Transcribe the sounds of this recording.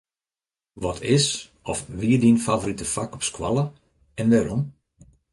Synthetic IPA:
ʋɔtʰɪs | ɔfʋiədinfavoɾitəfakɔpskwa̰lˠə | ɛnʋɛːɾɔm

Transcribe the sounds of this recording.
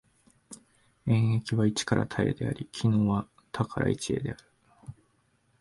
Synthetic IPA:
ẽ̞ɰ̃e̞kʲiβait͡ɕi̥kaɾʔa̰t̪ʰae̞̰d̪e̞a̰ɾʲikʲʰino̞ːβa | t̪ʰakaɾa̰it͡ɕie̞̰d̪e̞aɾɯ̟

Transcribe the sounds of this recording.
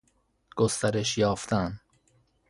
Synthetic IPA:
ɡ̥ost̪æɾeʃjɒːft̪ʰæn

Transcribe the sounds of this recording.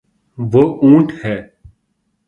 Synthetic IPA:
ʋoːʔũːʈhɛː

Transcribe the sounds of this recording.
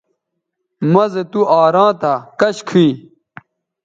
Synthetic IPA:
mɐzet̪uaːɾãːt̪akɐɕkʰi

